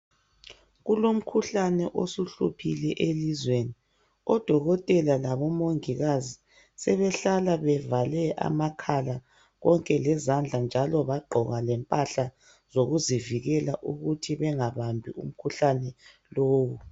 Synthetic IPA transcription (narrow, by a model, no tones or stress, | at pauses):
ɣulom̩kʰuɬanɛʔosuɬṵpʰilɛʔelizweni | ɔd̥ʱɔɣɔtʼɛlalaβɔmoŋiɣazi | sɛβɛɬalaβɛvalɛʔa̰makʰala | ɣɔŋkʼɛlɛzand͡ɮʱand͡ʒʱalɔβaɡ͡ǃʱɔɣalɛmpʼaɬa | zoɣuziviɣɛlaʔuɣutʰiβɛŋaβambʱiṵm̩kʰuɬanɛ | loːwu